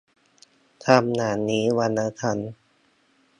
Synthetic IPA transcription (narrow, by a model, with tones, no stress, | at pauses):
t̪ʰa˧˩mnaː˨˩˦niː˦˥wa˧nːa˧˥t̪ʰa˧˩n